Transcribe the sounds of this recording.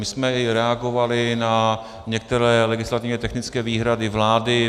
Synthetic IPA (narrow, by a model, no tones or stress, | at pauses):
mɪsmɛɪɾɛaɡo̞valɪna | ɲɛk̚t̪ɛɾɛːlɛɡɪslat̪ɪvɲɛt̪ɛxnɪt͡skɛːviːɦɾadɪvlaːdɪ